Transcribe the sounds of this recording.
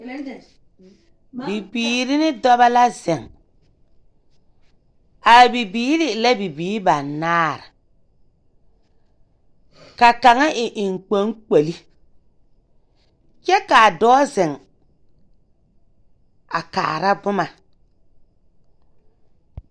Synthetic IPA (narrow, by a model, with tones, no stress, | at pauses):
bi˨biː˨ɾɪ˦nɪ˦dɔ˦ba˦la˦zɛ˨ŋ | a˨bi˨biː˦ɾɪ˦˨la˦bi˨biː˨˦ba˨nːaː˦ɾa˨ | ka˨ka˨ŋa˦ʔɪ˨ʔɪ˨ŋ˨k͡po˦ŋk͡pe˨li˦ | t͡ʃɛ˦ka˨dɔː˦zɛ˨ŋ | a˨ka̰ː˨ɾa˦bʊ˦ma˨